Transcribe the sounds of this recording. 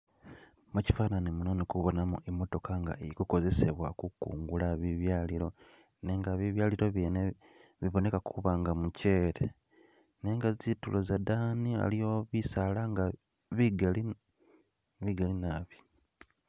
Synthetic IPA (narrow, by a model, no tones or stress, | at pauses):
muci̥faːnanimunonikuβo̞namuʔemːo̞to̞kaŋɡa̰eikuko̞ze̞se̞βwa̰kukːṵːŋɡulaβiβjaːliɾo̞ | ne̞ŋɡaβiβjaːliɾo̞βene | βiβo̞ne̞kakʰuβaŋɡamuce̞ːɾe | ne̞ŋɡazitulo̞zadaːnia̰lijoβisalaŋɡa | βiɡali | βiɡalinaβi̥